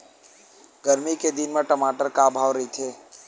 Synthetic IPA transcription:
ɡəɾmiked̪ɪnmẽʈəmaːʈəɾkabʱaːʋɾəɦit̪ʰeː

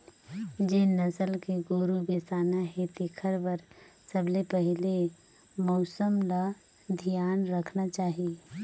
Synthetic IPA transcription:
d͡ʒeːnɐsəlkeɡoːɾubeːsaːnaɦet̪ikʰəɾbəɾ | səblepəɦɪle | mɔːsəmla | d̪ʱijaːnɾəkʰnat͡ʃaːɦie

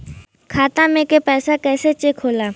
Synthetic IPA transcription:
kʰaːt̪amẽkepɛːsakɛːset͡ʃekʰoːlaː

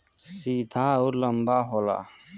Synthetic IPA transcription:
siːd̪ʰʱaːuɾlɐmbaːɦola̰

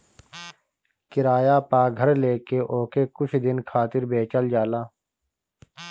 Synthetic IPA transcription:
kɪɾaːjaːpaːɡʱɐɾleːkeʔoːkekʊt͡ʃʰd̪ɪnkʰaːt̪ɪɾbeːt͡ʃəld͡ʒaːlaː

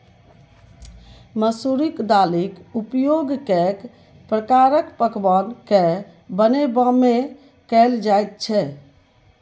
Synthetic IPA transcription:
məsuɾikd̪alikupjoɡkek | pɾəkaɾəkpəkbanke | bənebə̃me | kəld͡ʒajt̪̚t͡ʃʰɛ

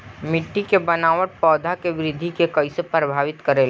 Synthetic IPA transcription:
mɪʈːikebənaːʋəʈ̚pɔːd̪ʱakeʋɪɾɪd̪ʱːikekɐɪsepɾəbʱaːʋɪt̪kəɾeːl

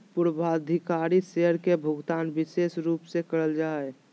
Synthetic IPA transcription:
pʊɾbʱaːd̪ʱɪkaːɾiseɦəɾkebʱʊɡt̪aːnbɪseːsɾuːpsekəɾəld͡ʒaːe

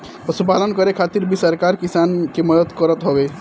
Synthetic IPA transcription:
pəsupalənkəɾekʰat̪iɾbʱisəɾkaɾkisankeməd̪ət̪kəɾət̪ɦɔbe

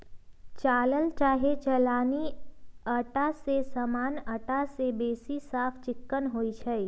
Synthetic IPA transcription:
t͡ʃaːləlt͡ʃaːɦet͡ʃəlaːniəʈasesəmaːnəʈasebeːsisaːpʰt͡ʃɪkːənɦoːit͡ʃʰɛ

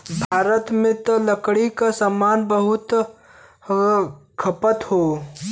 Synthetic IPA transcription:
bʱaːɾət̪mẽt̪ələkɽikasəmaːnbəɦʊt̪ | kʰəpət̪hoː

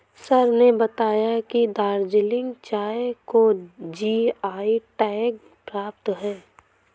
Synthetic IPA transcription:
səɾnebɐt̪aːjakid̪aːɾd͡ʒɪlɪ̃ŋɡt͡ʃaːekod͡ʒiaːiʈɛːk̚ | pɾaːp̚t̪ɦɛː

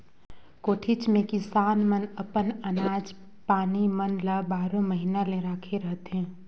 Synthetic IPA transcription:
koːʈʰɪt͡ʃmẽkɪsaːnmənəpənənaːd͡ʒ | paːnimənləbaːɾõməɦinaleɾaːkʰeɾəɦt̪ɦɛ̃ː

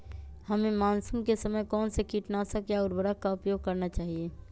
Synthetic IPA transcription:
hɐmẽmaːnsuːmkesɐməjkɔːnsekiːʈnaːsəkjaʊɾbəɾəkaʊpjoːɡ̚kɐɾnat͡ʃaːɦieː

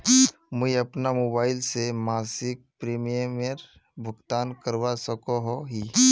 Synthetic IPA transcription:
mʊiɐpnamoːbaːɪlsemaːsɪk̚pɾeːmijməɾ | bʱʊɡt̪aːnkəɾwasəkoɦoɦi

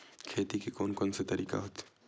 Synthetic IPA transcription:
kʰeːt̪ikekoːnkonset̪ɐɾiːka̰ɦoːt̪ː

